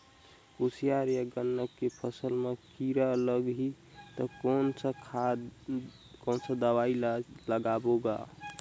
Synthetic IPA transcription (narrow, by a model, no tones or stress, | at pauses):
usijaɾjəɡənːəkːepʰəsəlmekiɾaləɡɦi | t̪ɔkonsəkʰa | konsə̃d̪əwailəɡaboɡa̰